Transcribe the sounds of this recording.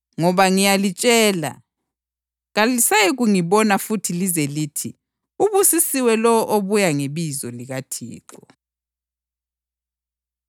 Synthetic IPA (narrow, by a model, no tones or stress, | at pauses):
ŋɔβaŋijalit͡ʃʼɛːla̰ | ɣalisajeɣuŋiβɔnafutʰilizeliːtʰi | uβusisiwɛlɔɔʔoβujaŋeβizɔliɣatʰḭːkɔ